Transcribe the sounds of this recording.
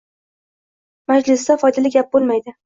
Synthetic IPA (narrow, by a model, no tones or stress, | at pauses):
mad͡ʒlɪsd̪afɒjd̪alɪɡʲap̚bolˠmajd̪ɪ